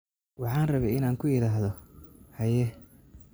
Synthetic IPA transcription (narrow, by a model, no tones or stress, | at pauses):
wɑħɑːnrɐβɛjɪnaːŋkʰʊjɪɾaːɦðɔhɐjɛ